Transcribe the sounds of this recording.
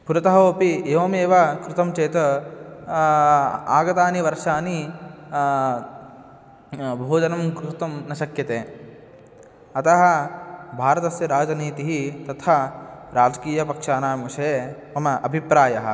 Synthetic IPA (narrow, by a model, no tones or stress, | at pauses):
puɾɐt̪ɐɦɐoːpieːʋoːmeːʋɐkɾut̪ɐmt͡ʃeːt̪ɐ | aːɡɐt̪aːniʋɐɾʂaːni | bʱoːd͡ʒɐnɐmkɾut̪ɐmnɐʃɐkjɐt̪eː | ɐt̪ɐɦɐ̆bʱaːɾɐt̪ɐsjɐɾaːd͡ʒɐniːt̪iɦit̪ɐt̪ʰɐɾaːd͡ʒɐkiːjɐpɐkʂaːnaːmuʂɐe | ɐmɐʔɐbʱipɾaːjɐɦɐ̰